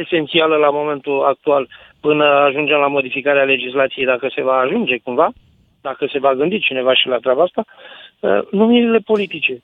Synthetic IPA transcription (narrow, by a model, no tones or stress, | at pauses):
e̞se̞nt̪sialəlamo̞me̞nt̪uak̚t̪ual | pɨnəaʒund͡ʒe̞mlamo̞d̪ifikaɾeale̞d͡ʒislat̪sije̞jd̪akəse̞vaːʒund͡ʒe̞kuɱva | d̪akəse̞vaɡɨnd̪it͡ʃine̞vaʃilat̪ɾʲabaast̪aə̰numiɾile̞po̞lit̪it͡ʃe̞